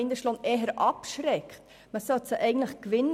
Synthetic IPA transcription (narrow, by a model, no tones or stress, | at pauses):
ɪnd̪əʃlɔnɛːɦəɾʔɑpʃɾɛkχt | məsœtsəʔɛɪɡən̩t̪ləχkʋɪnː